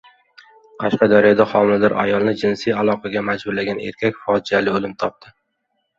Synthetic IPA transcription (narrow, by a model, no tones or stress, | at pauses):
qʰɑʃqɑd̪ɒɾijɒd̪aχɒmɪld̪ɒɾʔa̰jɒlˠnɪd͡ʒɪnsijalˠɒqʰɑɡʲamad͡ʒbʊɾlaɡʲanḛɾkʲʰakʲfɒd͡ʒijalɪolɪmt̪ʰɒp̚t̪ʰɪ